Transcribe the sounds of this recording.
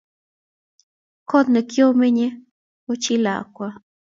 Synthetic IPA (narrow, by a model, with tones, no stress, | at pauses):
ko˦t̪nə̃˧kjo˦mẽ˦ɲẽ˦ | o˦t͡ʃi˦la̰˨kʷa˧